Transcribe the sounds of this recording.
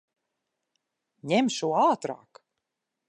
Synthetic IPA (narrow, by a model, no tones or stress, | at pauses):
ɲʲemʃuaːt̪ɾa̰ːk